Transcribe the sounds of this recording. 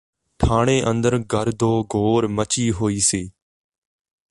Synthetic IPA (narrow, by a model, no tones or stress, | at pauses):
ʈʰaːɳ̃eːʔənd̪əɾɡʱəɾd̪ʱoːɡʱoːɾmət͡ʃiːɦoːiːseː